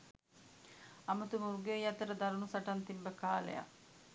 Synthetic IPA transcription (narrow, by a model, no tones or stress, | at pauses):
ɐmɐt̪umuɾuɡejɐt̪ɐɾɐd̪ɐɾunusɐʈɐnt̪imbɐkaːlḛja̰